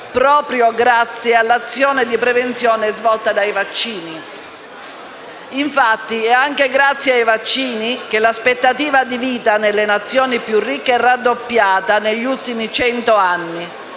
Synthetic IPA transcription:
pɾɔːpɾjoɡɾat̪sːjealːat̪sːjɔːned̪ipɾevent̪sjɔːneɛzvɔlt̪ad̪ajvat͡ʃːiːni | iɱfat̪ːiɛaŋk̟eɡɾat̪sːjeajvat͡ʃːiːnik̟elaspet̪ːat̪iːvad̪iviːt̪anelːenat̪sːjoːnipjurːikːeɛrːad̪ːopːjaːt̪aneʎːult̪imit͡ʃɛnt̪oanːi

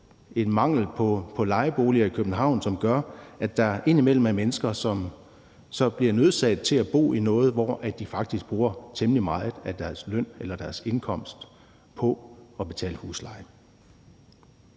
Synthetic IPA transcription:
e̝d̥mɑ̈ŋ̰l̩pʰpʰɒ̽lɑ̈ɪb̥o̝ːliɐikʰøb̥n̩ɦɑ̈ʊ̰nsɒ̽mɡ̥ɶɐæd̥ɑ̈æɐʔe̝n̰imel̰m̩æmenəsɡ̥ɐsɒ̽m | sɒ̽b̥liɐnøð̞ˠsɛ̰ːd̥̚t͡sʰe̝læb̥o̝̰ːinɔ̽ːð̞̩ˠʋɒʔæd̥d̥ifɑ̈ɡ̥̚d̥isɡ̥̚b̥ʁuːɐt͡sʰeməlimɑ̈ːð̩ˠæd̥æɐsløn̰elɐd̥æɐse̝nkʰɒ̽m̰sd̥ | pʰɒ̽ɒ̽b̥e̝t͡sʰɛ̰ːləhṵːslɑ̈ɪ

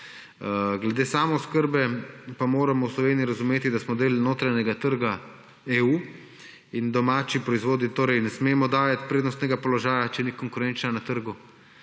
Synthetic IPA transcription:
ɡlɛd̪eːsaːmɔskəɾbɛpamoːɾamɔwslɔʋeːniiɾazumeːt̪id̪asmɔd̪eːlnoːt̪ɾaɲɛɡat̪əɾɡa | euː | ind̪ɔmaːt͡ʃipɾɔizʋoːd̪nit̪oːɾɛjnɛsmeːmɔd̪aːjat̪pɾeːd̪nɔst̪nɛɡapɔlɔʒaːjat͡ʃɛnikɔŋkʊɾɛnt͡ʃnanat̪əɾɡu

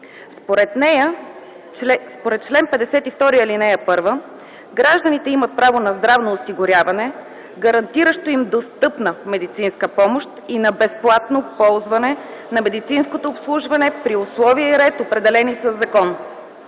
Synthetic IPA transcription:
spoɾɛt̪nɛjə | spoɾɛt̪̚t͡ʃlɛnpɛd̪ɛsɛt̪ift̪ɔɾiəlinɛjəpɤɾvə | ɡɾaʒd̪ənit̪ɛimət̪̚pɾavonɐzd̪ɾavnoːsiɡʊɾʲjavɐnɛ | ɡɐɾɐnt̪iɾəʃt̪oimd̪ost̪ɤpnəmɛd̪it̪sinskəpɔmoʃt̪inɐbɛsplˠat̪nopɔlˠzvɐnɛnɐmɛd̪it̪sinskot̪oːpslˠuʒvɐnɛpɾiʊslˠɔviɛiɾɛt̪opɾɛd̪ɛlɛnisəzːɐkɔn

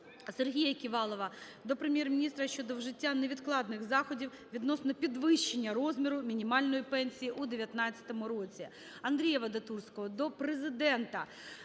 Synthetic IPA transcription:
serɦʲijɐkʲiʋɑlˠɔʋɐ | d̪ɔpɾemʲjɛrmʲinʲist̪ɾɐʃt͡ʃɔd̪ɔwʒɪtʲːaneʋʲid̪klˠɑd̪nɪɣzɑxɔdʲiw | ʋʲid̪nɔsnɔpʲid̪ʋɪʃt͡ʃːenʲːɐrɔzʲmʲiɾʊmʲinʲimɑlʲnɔjipɛnʲsʲijiʔud̪eʋʲjɐt̪nɑt͡st͡sʲːɐ̥t̪ɔmʊɾɔt͡sʲi | ɐnd̪ɾʲijɐʋɐd̪ɐt̪ursʲkɔɦɔd̪ɔpɾezɪd̪ɛnt̪ɐ

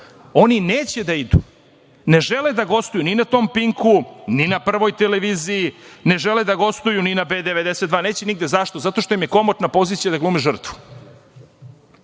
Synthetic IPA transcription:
o̞nineːt͡ɕed̪aid̪u | ne̞ʒe̞led̪aɡo̞st̪ojuninat̪o̞mpiŋkuninapr̩ʋo̞jt̪eleʋiːzijine̞ʒe̞led̪aɡo̞st̪ujuninabeːd̪eʋed̪e̞set̪d̪ʋaːne̞ːt͡ɕeniɡ̚d̪e̞zaʃt̪o̞zat̪o̞ʃt̪o̞imje̞ko̞mot̪napo̞zit̪sʲijad̪aɡluːmeʒr̩t̪ʋu̥

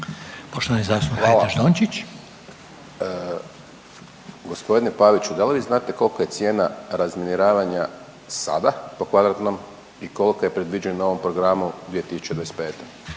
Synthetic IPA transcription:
poʃt̪oʋanizaːsuaːlaaʒd̪onʲt͡ʃit͡ɕ | ɡo̞spo̞d̪inepaʋit͡ɕud̪aliʋiːznaːt̪e̞ko̞lˠkoje̞t̪sje̞ːnaɾazminiɾaːʋaɲa | sa̰d̪apo̞kʋad̪ɾat̪no̞m | iko̞lˠikojepɾed̪ʋid͡ʑennao̞ʋo̞mpɾo̞ɡɾamuɡd̪ʲejet̪isu̥t͡ɕed̪ʋajspeːt̪o

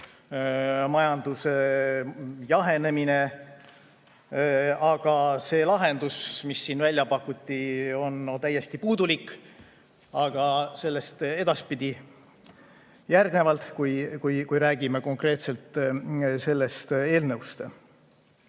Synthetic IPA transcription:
mɑjɑnd̪̥use̞ | jɑɦe̞ne̞mine̞ | ɑɡ̥ɑse̞ːlɑɦe̞nd̪̥usmisːiːnvælʲjɑpɑkːut̪ʲːˑio̞nt̪æjːe̞st̪ipuːd̪ulik | ɑɡ̥ɑse̞lːe̞st̪e̞d̪̥ɑspid̪̥ʲi | jærɡ̥ne̞vɑlt̪kujkujkujɾæːɡ̥imeko̞ŋkre̞ːt̪se̞lt̪ˑse̞lːe̞st̪e̞ːlnɤwst̪e

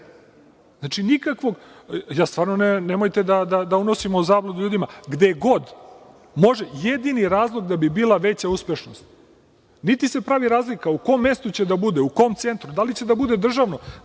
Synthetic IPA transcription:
znat͡ʃinikakʋo̞ɡ | jaːst̪vʋaːɾnonenemojt̪e̞d̪ad̪ad̪auno̞simouzaːblˠod̪uʎuːd̪imaɡd̪eɡo̞d̪ | mo̞ʒejed̪iniɾaːzlˠo̞ɡd̪abibiːlˠaʋe̞t͡ɕauspʲeʃno̞st̪̚ | nit̪ise̞pɾaʋiɾaːzlikauko̞omːe̞st̪ut͡ɕe̞d̪abud̪euko̞mt̪se̞nt̪ɾud̪alit͡ɕe̞d̪abud̪e̞d̪r̩ʒaʋno̞

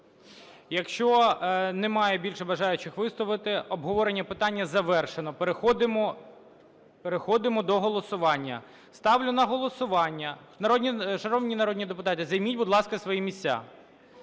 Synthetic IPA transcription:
jɐkʃt͡ʃɔnemɑjɛbʲilʲʃɛbɐʒɑjʊt͡ʃɪxʋɪst̪ˠɔʋɪt̪ɪɔbɦɔʋɔɾenʲːɐpɪt̪ɑnʲːɐzɐʋɛrʃenɔpxɔd̪ɪmɔ | peɾexɔd̪ɪmɔd̪ɔɦɔlˠɔsʊʋɑnʲːɐ̰ | st̪ɑwlʲʊnɐɦɔlˠɔsʊʋɑnʲːɐ | nɐɾɔdʲnʲit͡ʃɐɾɔʋnʲinɐɾɔdʲnʲid̪epʊt̪ɑt̪ɪzɐjmʲitʲbʊd̪lˠɑskɐsʋɔjimʲisʲt͡sʲːa̰

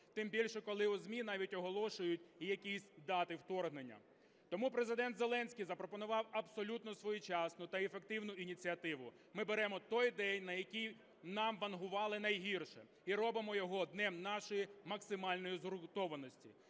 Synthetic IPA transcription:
t̪ɪmbʲilʲʃɛkɔlˠɪʊzʲmʲinɑʋʲitʲɔɦɔlˠɔʃʊjʊt̚ʲijɐkʲisʲd̪ɑt̪ɪwt̪ɔrɦnenʲːɐ̰ | t̪ɔmupɾe̞zɪd̪ɛnt̪zelˠɛnʲsʲkʲijzɐpɾɔpɔnʊʋɑwɐbsɔlʲut̪nɔsʋɔjut͡ʃɑsnʊt̪ɐefekt̪ɪwnʊʔinʲit͡sʲiɐt̪ɪʋʊ | mɪbeɾɛmɔt̪ɔjd̪ɛnʲnɐjɐkʲij | nɑmʋɐnɦʊʋɑlˠɪn̪ɐjɦirʃɛ | iɾɔbɪmɔjɔɦɔd̪nɛmnɑʃɔjimɐksɪmɑlʲnɔjizɾʊt̪ɔʋɐnɔsʲtʲi

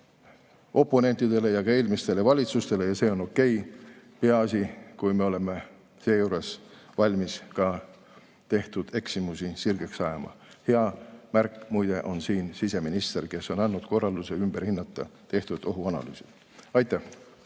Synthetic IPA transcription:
ʔo̞pːo̞ne̞nt̪ˑid̪̥e̞le̞jɑɡ̥ɑe̞ːlʲmist̪e̞le̞vɑlʲit̪sust̪e̞le̞jɑse̞ːo̞no̞kːˑe̞j | pe̞ɑɑsʲikujme̞o̞le̞me̞ | se̞ːjuːɾe̞svɑlʲmiskɑ | t̪e̞ht̪ud̪̥e̞ksimusisirɡ̥e̞ksɑjɑmɑ̰heɑmæɾkːˑmujd̪̥e̞ʔo̞nsiːnsise̞minist̪e̞rke̞sːo̞nɑnːud̪̥ko̞rːɑld̪useymb̥eɾhinːɑt̪ˑːɑt̪e̞ht̪ud̪̥o̞ɦuɑnɑ̰ly̰ːsi̥ | ɑjt̪ːˑæh

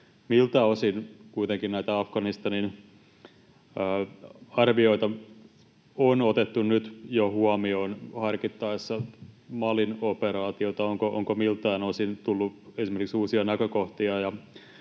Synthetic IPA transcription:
milt̪æosinkuit̪eŋkinnæit̪æɑfɡɑnist̪ɑnin | ɑrʋioit̪ɑ | onot̪et̪ːunnyt̪johuɑmionhɑrkit̪ːɑisːɑmɑlinopeɾɑːt̪iot̪ɑoŋkoʔo̰ŋkomilt̪ɑːnosint̪ulːuesimerkiksuːsiɑnækøkoht̪iɑjɑ

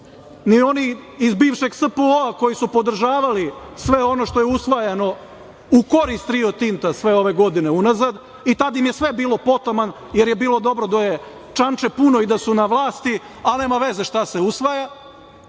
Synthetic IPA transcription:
nio̞niizbiːʋʃe̞ɡspuoako̞jisupo̞d̪r̩ʒaːʋalisʋe̞o̞no̞ʃt̪o̞jeusʋajano̞ | uko̞ɾist̪ɾiot̪int̪asʋe̞o̞ʋe̞ɡo̞d̪ine̞unazad̪ | it̪ad̪imjesʋe̞biːlo̞po̞t̪oman | jeɾje̞biːlˠo̞d̪o̞bɾo̞d̪aje | t͡ʂant͡ʃe̞puno̞id̪asunaʋlˠaːst̪i | ane̞ːmaʋe̞ze̞ʃt̪ase̞usʋaja

